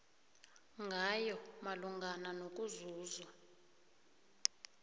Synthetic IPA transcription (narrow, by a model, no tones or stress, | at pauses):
ŋɡʱajɔmaluŋɡʱananok̬ʼuzuːzwa